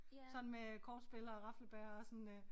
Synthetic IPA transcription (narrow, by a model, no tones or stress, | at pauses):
sɒ̽nn̩mekʰɒːd̥sb̥e̝lɐːʁɑ̈fl̩b̥ɛːɐɒ̽sɒn